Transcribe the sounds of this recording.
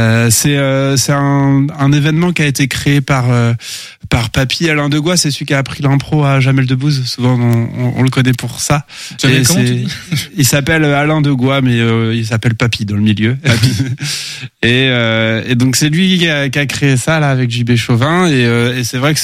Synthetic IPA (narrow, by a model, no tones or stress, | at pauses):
øsɛøsɛt̪ɛ̃ɛ̃nevɛnmɑ̃kʲiaet̪ekχeepaʁø | paʁpapʰialɛ̃d̪əɡwasɛsəlɥikʲaːpχilɛ̃pχoaʒamɛld̪əbuzsuvɑ̃ɔ̰̃ɔ̰̃ləkɔnɛpuʁsa | eɛ | ilsapɛløalɛ̃d̪əɡwamɛøils̬apɛlpapid̪ɑ̃ləmiljøpai | eøed̪ɔ̃ksɛlɥikʲakʲakχeːsalaːvɛkʒybeʃovɛ̃eøesɛvʁɛk